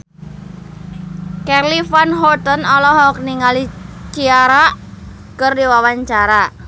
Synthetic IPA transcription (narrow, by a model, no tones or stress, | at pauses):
kɛrlifanɦɔt̪ənɔlɔɦɔk̚niŋalit͡ʃiaɾaʔ | kərdiwawaɲt͡ʃaɾa